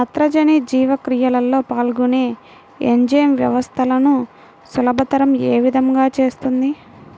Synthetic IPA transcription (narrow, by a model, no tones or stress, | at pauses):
ɐt̪ɾɐd͡ʒɐnid͡ʒiːʋɐkɾijɐlɐlːo̞ːpaːlɡune̞ː | eɲd͡ʒɐjɐmʋjɐʋɐst̪ʰɐlɐnu | sulɐbʱɐt̪ɐɾɐme̞ːʋid̪ʱɐŋɡaːt͡ʃe̞ːst̪und̪i